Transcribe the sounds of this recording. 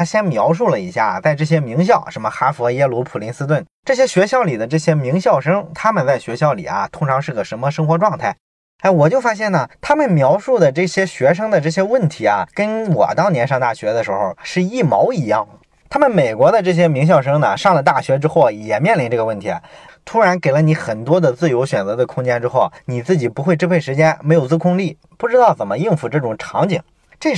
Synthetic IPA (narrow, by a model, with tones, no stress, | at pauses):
a˥ɕjɛ˥nmjɑ˧˥ʊʂ̬u˥˩lə˩i˧˥ɕja̰˥˩t͡sa˥˧ɪʈ͡ʂɤ˥˩ɕ̬jɛ˥mi˧˥ŋɕ̬jɑ˥˩ʊʂə˧˥nmə˧xa˥fɔ˧˥jɛ˥lu˧˥pʰu˨˩li˧˥nsɹ̩˥t̪̬wə˥˩nʈ͡ʂɤ˥˩ɕjɛ˥ɕɥɛ˧˥ɕjɑ˥˩ʊli˨˩d̪ə˦ʈ͡ʂɤ˥˩ɕjɛ˥mi˧˥ŋɕjɑ˥˩ʊʂɤ˥ŋt̪ʰa˥mə˨nt͡sa˥˩ɪɕɥɛ˧˥ɕjɑ˥˩ʊlḭ˨˩ɐ̰˦t̪ʰʊ˥ŋʈ͡ʂʰɑ˧˥ŋʂɻ̩˥˩ɡə˩ʂə˧˥mə˧ʂɤ˥ŋxwɔ˧˥ʈ͡ʂwɑ˥˧ŋt̪ʰa˥˩ɪ˧˥ | ɪwɔ˨˩t͡ɕjo˥˩ʊfa˥ɕ̬jɛ˥˩nə˩t̪ʰa˥mə˨nmjɑ˧˥ʊʂu˥˩d̪ə˩ʈ͡ʂɤ˥˩ɕjɛ˥ɕɥɛ˧˥ʂ̬ɤ˥ŋd̪ə˨ʈ͡ʂɤ˥˩ɕ̬jɛ˥wə˥˩nt̪ʰi˧˥ɐ̰˨kə˥nwɔ̰˨˩t̪ɑ˥ʊnjɛ˧˥nʂɑ˥˧ŋt̪a˥˩ɕɥɛ˧˥d̪ə˧ʂɻ̩˧˥xo˥˧ʊʂɻ̩˥˧i˥˩mɑ˧˥ʊi˧˥jɑ̰˥˩ŋə˩ | t̪ʰa˥mə˨nme˨˩ɪkwɔ˧˥d̪ə˧ʈ͡ʂɤ˥˩ɕ̬jɛ˥mi˧˥ŋɕ̬jɑ˥˩ʊʂɤ˥ŋnɐ˨ʂɑ˥˩ŋlə˩t̪a˥˩ɕɥɛ˧˥ʈ͡ʂɻ̩˥xo˥˩ʊjɛ˨˩mjɛ˥˩nli˧˥nʈ͡ʂɤ˥˩ɡə˧wə˥˩nt̪ʰḭ˧˥˧t̪ʰu˥ɻa˧˥nke˨˩ɪlə˦ni˧˥xə˨˩nt̪wɔ˥d̪ə˨t͡sɹ̩˥˩jo˧˥ʊɕɥɛ˨˩nt͡sɤ˧˥d̪ə˧kʰʊ˥ŋt͡ɕjɛ˥nʈ͡ʂɻ̩˥xo˥˩ʊni˨˩t͡sɹ̩˥˩t͡ɕi˨˩pu˧˥xwɪʈ͡ʂ̩˥pʰe˥˩ɪʂɻ̩˧˥t͡ɕjɛ˥nme˧˥ɪjo˨˩ʊt͡sɹ̩˥˧kʰʊ˥ŋli˥˩ | pu˥˩ʈ͡ʂɻ̩˥t̪ɑ˥˩ʊt͡sə˨˩nmə˦i˥˧nfu˧˩ʈ͡ʂɤ˥˩ʈ͡ʂʊ˨˩ŋʈ͡ʂʰɑ˧˥ŋt͡ɕi˨˩˦ŋ | ʈ͡ʂɤ˥˩